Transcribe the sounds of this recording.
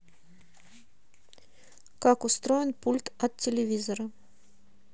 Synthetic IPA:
kakʊst̪ɾojɪnpulʲt̪ɐt̪tʲːɪlʲɪvʲizəɾə

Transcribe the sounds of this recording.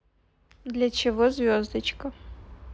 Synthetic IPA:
d̪lʲɐt͡ɕɪvozvʲozd̪ət͡ʃkɐ

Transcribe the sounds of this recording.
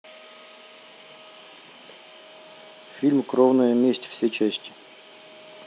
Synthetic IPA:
fʲilʲmkɾovnəjəmʲesʲtʲfsʲet͡ɕesʲtʲɪ̥

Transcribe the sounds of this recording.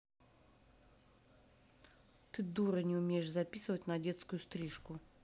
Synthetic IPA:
t̪ɨd̪uɾənʲɪʊmʲejɪʂzɐpʲisɨvətʲnɐdʲet̪skʊjʊst̪ɾʲiʂkʊ

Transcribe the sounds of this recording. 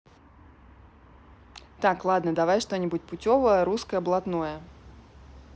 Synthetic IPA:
t̪aklˠad̪nəd̪avajʂt̪onʲɪbʊtʲpʊtʲovəjəɾuskəjəblˠat̪nojə

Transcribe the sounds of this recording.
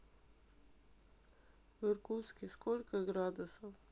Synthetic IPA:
ʋəɾkuwskiskoːlkaɡɾaːd̪asɔ

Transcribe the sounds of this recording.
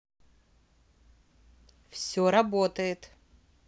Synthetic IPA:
fsʲoɾabotɐjetʼ

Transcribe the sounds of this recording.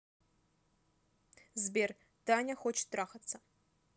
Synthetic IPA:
zbʲer | taːnʲɐxot͡ʃt̪raːxɐt̪t͡sʰɐ

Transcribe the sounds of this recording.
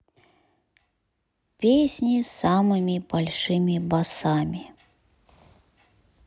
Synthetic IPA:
pʲesʲnʲisamɨmʲibalʲʂɨmʲibasamʲi

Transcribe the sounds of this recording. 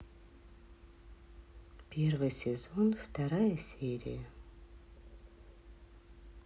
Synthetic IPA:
pʲe̞rvɨjsʲɪzonft̪ɐɾajəsʲeɾʲɪ̰jə

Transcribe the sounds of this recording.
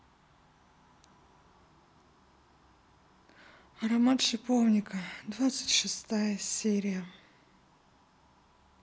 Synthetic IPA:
ɐɾɐmat̪ʂɪpovnʲɪkəd̪vat̪sɨ̥tʲʂɨst̪ajəsʲeɾʲɪjə

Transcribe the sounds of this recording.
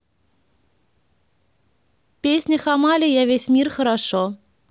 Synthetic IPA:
pʲesʲnʲəxamalʲɪjavʲesʲmʲirxəɾaʂo

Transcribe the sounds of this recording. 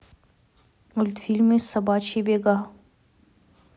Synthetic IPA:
ʊlt̪fiːlmːẽsɐbaːt͡ʃʰibeːɡaː

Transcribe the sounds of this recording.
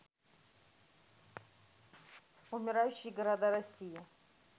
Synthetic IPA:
umʲɪɾajuɕːɪjɡɐɾad̪arɐsʲija

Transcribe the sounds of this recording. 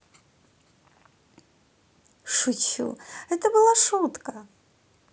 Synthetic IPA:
ʂut͡ʃʰṵɛt̪ɐbɨlˠaʂut̪kɐ

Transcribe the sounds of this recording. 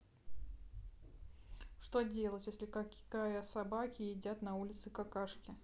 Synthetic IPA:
ʂt̪odʲe̞lˠətʲjesʲlʲɪkakajəsɐbakʲɪɪdʲat̪nɐulʲɪt̪sɨkɐkaʂkʲɪ

